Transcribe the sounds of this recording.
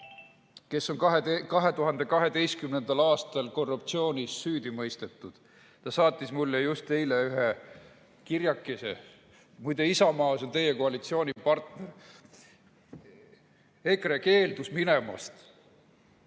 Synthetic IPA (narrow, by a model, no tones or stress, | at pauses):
ke̞sːo̞nkɑɦekɑɦe̞t̪uɦɑnd̪̥e̞kɑɦe̞d̪e̞jskymnend̪̥ɑlɑːst̪ɑlko̞rːupt̪sio̞ːnʲisːyːd̪imɤjst̪e̞t̪ːˑud̪̥ | t̪ɑsɑːt̪ʲˑːismulːejust̪e̞jleyɦe | kirjɑkːˑesḛ | mujd̪eisɑmɑːso̞nt̪e̞jeko̞ɑlit̪sio̞ːnʲipɑrt̪ner | ekreke̞ːld̪̥usminemɑ̰st̪